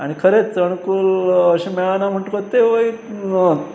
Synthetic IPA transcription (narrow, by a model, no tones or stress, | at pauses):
a̰ɽ̃ikʰəɾet͡st͡səɳkuːləɕemeɭanam̤əʈkot̪ːeʋoi